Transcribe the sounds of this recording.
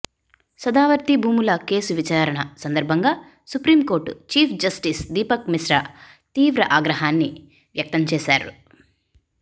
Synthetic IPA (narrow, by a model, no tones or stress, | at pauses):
sɐd̪aːʋɐɾt̪ibʱuːmulɐke̞ːsuʋit͡ʃaːɾɐɳɐsɐnd̪ɐɾbʱɐŋɡaː | supɾiːmko̞ːɾʈut͡ʃiːpʰd͡ʒɐsʈisd̪iːpɐkmisɾɐ | t̪iːʋɾɐʔaːɡɾɐɦaːnːi | ʋjɐk̚t̪ɐmt͡ʃɛːsaːɾṵ